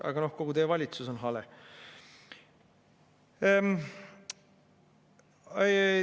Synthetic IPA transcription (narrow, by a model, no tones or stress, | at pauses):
ɑ̰ɡ̥ɑno̞hko̞ɡut̪eːvɑlʲit̪suso̞nɦɑle | e